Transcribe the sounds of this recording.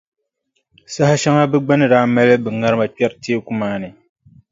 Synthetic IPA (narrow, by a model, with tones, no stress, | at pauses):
sa˦ha˦ʃa˦ŋa˦bɨ˦ɡ͡ba˦nɨ˦daː˦ma˦lɨ˦bɨ˨ŋa˦ɾɨ˦ma˨k͡pɛ˦ɾteː˦ku˦maː˦nɨ˨